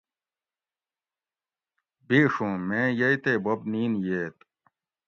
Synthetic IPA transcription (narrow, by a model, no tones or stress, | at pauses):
biːʂũːmẽːjɐit̪eːbɐbniːnjeːt̪